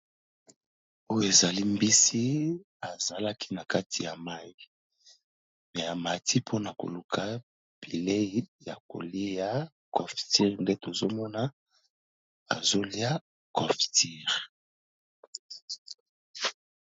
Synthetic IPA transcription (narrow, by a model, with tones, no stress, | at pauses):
o˦jo˦e˨za˨li˦mbi˦si˦ | a˨za˨la˦kʰi̥˦na˨ka˦tʰi˨ja˨ma˦i˦ | mɛ˨a˨ma˨ti˦pʰo˦na˨ko̰˨lu˨kʰa˨ | b̥i˨le˦i˦ja̰˨ko̰˨li˦ja˦ | kɔ˨fti˦ʁnde˦to˨zo˦mɔ˦na˦ | a̰˨zo˦li˦a˦ | kɔ˨fti˦ʁ